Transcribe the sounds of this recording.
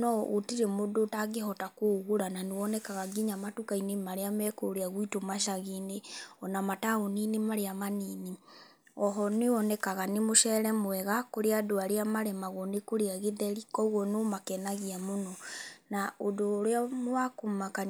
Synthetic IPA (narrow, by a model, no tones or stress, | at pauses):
nɔotiɾɛmodotaɡeɦɔtakoɣuɾananewɔnɛkaɣaɡiɲamatukainemaɾeamɛkoɾeaɣwitomaʃaɣineɔnamataoninemaɾeamaniːne | ɔɦɔnewɔnɛkaɣanemoʃɛɾɛmwɛɣakoɾeadoaɾeamaɾɛmaɣɔnekoɾeaɣeðɛɾikɔuɣɔnomakɛnaɣiamonɔnaodoɾeamwakomaka